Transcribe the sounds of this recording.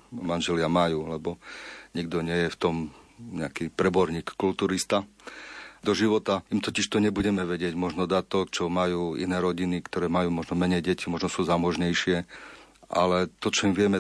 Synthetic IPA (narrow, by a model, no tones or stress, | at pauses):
manʒɛlɪamajuːlɛbɔɲiɡd̪ɔɲɪɛjɛft̪ɔm | ɲɛakiːpɾɛbɔɾɲiːkːult̪uːɾist̪a | d̪ɔʒiʋɔt̪aimt̪ɔciʃt̪ɔɲɛbuɟɛmɛʋɛɟɪɛɟmɔʒnɔd̪at̪ɔkt͡ʃɔmajuːḭnɛːɾɔɟinikt̪ɔɾɛːmajuːmɔʒnɔmɛɲɛjɟɛcimɔʒnɔsuːzamɔʒɲɛjʃɪɛ | ʔalɛt̪ɔt͡ʃɔimʋɪɛmɛ